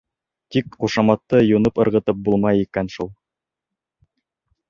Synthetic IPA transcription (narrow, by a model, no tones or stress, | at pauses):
t̪ikχuʃɑmɑt̪ːɤjunɤpɤ̆ɾʁɤ̆t̪ɤp̚bulˠmɑjikænʃulˠ